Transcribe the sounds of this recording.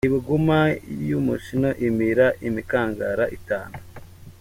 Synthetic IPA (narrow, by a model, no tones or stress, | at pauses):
iβiɡumajumuʃino̞ʔimiɾaʔimikaːŋɡaɾaʔitaːnu